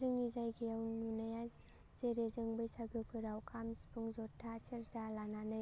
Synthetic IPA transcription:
zɯŋnizajɡiawnunaja | z̥eɾezɯŋbɯjsaɡɯpʰɯɾawkʰamspuŋzɔtʰːasiɾzalananɯj

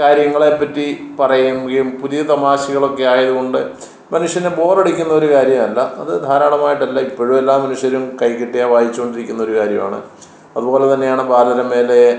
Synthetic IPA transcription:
kaːɾjɐŋːɐɭe̞pːɐtːipɐrɐjumɡilumpuðijɐt̪ɐmaːɕiɣɐɭo̞kːe̞aːjɐðuɣo̞ɳɖɨ | mɐnuʂjɐnebo̞ːreɽikʲːunːɐo̞ɾukaːɾjɐmɐlːɐɐðɨd̪ʱaːɾaːɳɐmaːjiʈːɐlːɐipːo̞ːɻume̞lːaːmːɐnuʂjɐɾumkɐjkːiʈːijaʋaːjit͡ɕːuko̞ɳɖiɾikʲːunːɐoɾukaːɾjɐ̰ma̰ːɳɨ̰ | ɐðubo̞ːlet̪ɐnːe̞jaːɳɨbaːlɐðɐɾɐme̞ːle

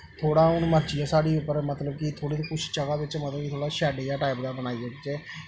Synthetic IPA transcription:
t̪ʰoːɽaːʊnũːməɾd͡ʒiːjaːsaːɽiːʊpːəɾmət̪ləbkit̪ʰoːɽeːt̪eːkʊt͡ʃʰt͡ʃəɡaːbɪt͡ʃmət̪ləbkit̪ʰoːɽaːʃɛːɖeːjaːʈaːipd̪aːbənaːiːd͡ʒəɡd͡ʒeː

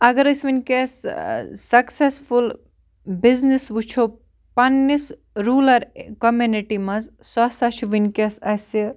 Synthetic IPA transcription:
ɐɡɐɾɐsʋinʲkʲessɐksesfʰul | biznisʋut͡ʃʰo | pɐnːis | ɾuːlɐɾkɐmjuniʈimɐzsɔsɐt͡ʃʰʋinʲkesɐsi

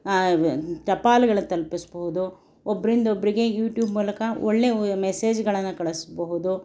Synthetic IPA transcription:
t͡ʃɐpaːlɐɡɐɭɐnt̪ɐlpisboɦud̪u | obːɐɾind̪ɐobɐɾiɡe̞juːʈjuːbmuːlɐkɐoɭːe̞mese̞ːd͡ʒɡɐɭɐnːukɐɭesbɐɦud̪u

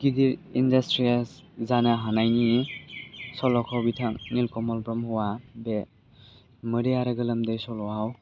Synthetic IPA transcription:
ɡidiɾindastɾiaszanaɦanajni | sɔlɔkʰɔwbitʰaŋnilkɔmɔlbɾɔmhɔwabe | mɯɾiaɾɯɡɯlɯmdejsɔlɔaw

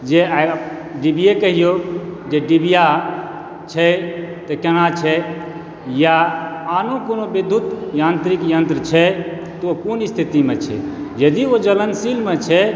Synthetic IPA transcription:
d͡ʒea | ɖibiekəɦijod͡ʒeɖibija | t͡ʃʰɛt̪ekenat͡ʃʰɛ | jaanokonobed̪ʱːut̪jant̪ɾikjənt̪ɾət͡ʃʰɛ | t̪ookunist̪ʰit̪imet͡ʃʰɛ̰ | jəd̪iod͡ʒələnsilmet͡ʃʰɛ

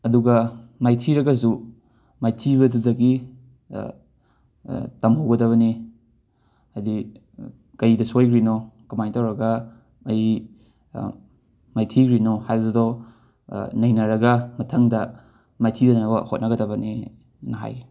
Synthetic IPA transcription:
ɐduɡɐmajtʰiɾɐɡɐsu | majtʰibɐdudɐɡi | tɐmhowɡɐdɐβɐni | ajdi | kɐjdɐsojkɾinokɐmajntawɾɐɡɐ | ɐj | majtʰiɡɾinɔhajɐdɐdɔ | nɐjnɐɾɐɡɐmɐtʰɐŋdɐ | majtʰidɐnɐbɐhot̚nɐɡɐdɐbɐni | nɐɦa̰j

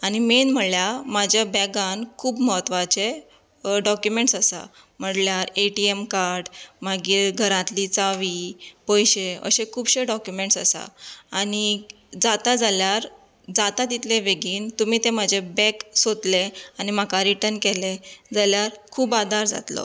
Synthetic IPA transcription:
animenm̤əljamad͡ʑʱjabɛɡãnkʰuːbməɦət̪ʋat͡ɕe | ɖɔkjumeɳʈsasa̰ | m̤əɽljaɾeʈiemkaɾɖmaɡiːɾɡʱəɾãt̪liːt͡saʋiːpɔjɕeə̰ɕekʰuːbɕeɖɔkjumeɳʈsasa̰ani | d͡zat̪ad͡zaljaɾ | d͡zat̪at̪it̪leʋeɡiːnt̪umiːt̪ẽmad͡ʑʱebɛksod̪leanimakaɾiʈənkeled͡zaljaɾkʰuːbad̪ʱaɾd͡za̰t̪lɔ̰

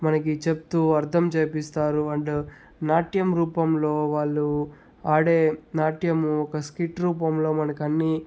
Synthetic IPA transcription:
mɐnɐk̬it͡ʃe̞p̚t̪uːɐɾt̪ʰɐmt͡ʃeːpist̪aːɾuɐɳɖu | naːʈjɐmɾuːpɐmlo̞ːʋaːɭːu | aːɽeːnaːʈjɐmuɔkɐskiʈɾuːpɐmlo̞ːmɐnɐkiɐnːi

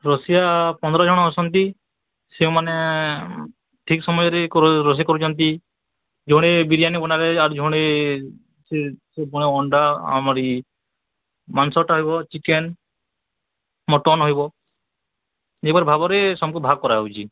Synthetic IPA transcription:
ɾɔsijapɔnd̪ɔɾɔd͡ʒʱɔɽ̃ɔɔsʰɔnt̪i | seũmane | ʈʰiksɔmɔjɔɾekɔɾɾɔs̬iakɔɾut͡ʃʰɔnt̪i | d͡ʒʱoɽ̃ebiɾijanibɔnaɾeaɾud͡ʒʱoɽ̃e | sesebɔɽ̃eɔɳɖaa̰mɔɾi | mansɔʈaɦɔibɔt͡ʃiken | mɔʈɔnɦɔɦibɔ | d͡ʒebɔɾebʱabɔɾesɔmkubʱaɡ̚kɔɾaɦowt͡ʃʰi

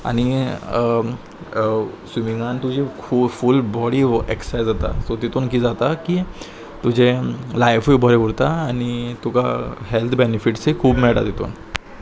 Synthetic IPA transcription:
a̰ɽ̃i | sʋimiŋɡant̪ud͡ʑekʰuːbfulbɔɽiːeksajd͡zat̪a̰sot̪it̪onkiːd͡zat̪aki | t̪ud͡ʑẽlajfibʱɔɾeʋuɽt̪aːñit̪uka̰ɦelt̪ʰbenifiʈsekʰuːbmɛɭʈa̰t̪it̪o̰n

